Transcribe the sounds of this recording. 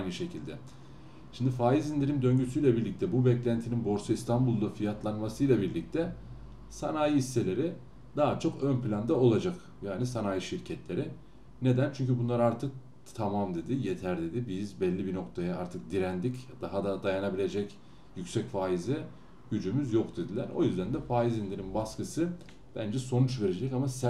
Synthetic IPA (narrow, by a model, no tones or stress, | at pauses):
ajnɯʃe̞cʰilʲd̪ɛ | ʃimd̪ifaːjizind̪ʲiɾimd̪ø̞ɲɟysyjlʲabiɾlʲic̚t̪ʰɛbubɛclʲænt̪ʰininbo̞ɾsuist̪ʰanbulˠd̪afijat̪ʰlˠanmasɯjlˠabiɾlʲic̚t̪ʰɛ | sa̰naːjiisːe̞lʲe̞ɾi | d̪aɦat͡ʃʰo̞kø̞nplʲand̪ao̞lˠad͡ʒak | jaːnisanaːjiʃiɾcʰɛt̪lʲe̞ɾɪ | ne̞d̪ænt͡ʃʰyɲcʰybunlˠaɾaɾt̪ʰɯk̚ | t̪ʰamamd̪e̞d̪ɪjet̪ʰæɾd̪e̞d̪ibizbɛlʲːibino̞kt̪ʰajaa̰ɾt̪ʰɯk̚d̪iɾænd̪icd̪aɦad̪ad̪ajanabilʲe̞d͡ʒɛc | jycsɛcfaːizɛ | ɟyd͡ʒymyzjo̞kd̪ed̪ilʲæ̰ɾo̰jyzd̪ænd̪ɛfaːizind̪ininbaskɯsɯ | b̥ænd͡ʒɛso̞nut͡ʃve̞ɾe̞d͡ʒɛcamas